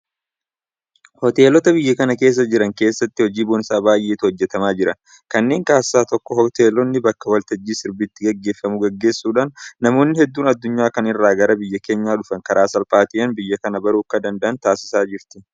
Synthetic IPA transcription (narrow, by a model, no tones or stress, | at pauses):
hɔt̪e̞ːlɔt̪ɐbɪjːɐkɐnɐke̞ːs̬ːɐd͡ʒɪɾɐŋke̞ːsːɐt̪ːɪhɔd͡ʒiːboːnɪsaːbaːjʔeːt̪hɔd͡ʒːɛt̪ɐmaːd͡ʒɪɾɐn | kɐnːe̞ːŋkʼaːsːaːt̪ɔkːɔhɔt̪eːlɔnːɪbɐkːɐwɐlt̪ɐd͡ʒːiːsɪɾbɪt̪ːɪɡɐɡːe̞ːfːɐmʊɡɐɡːe̞ːsːuːᶑaːnːɐmo̞ːnːɪhɛd̪ːuːnɐd̪ːʊɲːaːkɐnɪrːaːɡɐɾɐbɪjːɐke̞ːɲːaːᶑʊfɐŋkɐɾʔaːsɐlpʼaːt̪ɪʔɐnbɪjːɐkɐnɐbɐɾuːkːɐd̪ɐnd̪ɐʔɐnt̪aːsɪ̥saːd͡ʒɪɾt̪ɪ̥